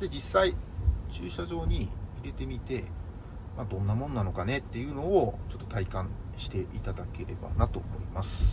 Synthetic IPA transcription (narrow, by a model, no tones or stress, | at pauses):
d̪̥e̞d͡ʑisːait͡ɕɨːɕaʑo̞ːɲ̟iiɾe̞t̪e̞mʲit̪e̞ | mad̪õ̞nːamõ̞nːano̞kane̞t̪ːe̞jɯ̟no̞ːt͡ɕo̞t̪ːo̞̥t̪aikãɕi̥t̪e̞ʔit̪ad̪ake̞ɾe̞ba̰nat̪o̞ːmo̞̰imasɨ̥